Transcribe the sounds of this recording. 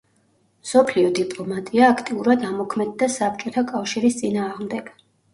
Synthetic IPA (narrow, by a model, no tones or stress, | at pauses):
msɔpʰliɔd̪ipʼlˠɔmat̪ʼiaːkʰt̪ʼiuɾad̪amɔkʰmɛd̪ːasap̚t͡ʃʼɔt̪ʰakʼafʃiɾist̪sʼinaːʁmd̪ɛɡ̥